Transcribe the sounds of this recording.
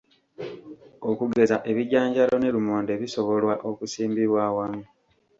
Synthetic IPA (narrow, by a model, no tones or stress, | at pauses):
okuɡe̞zaʔe̞βiɟaːɲɟalone̞lumoːnde̞βiso̞βo̞lwaʔokusiːmbiβwawamu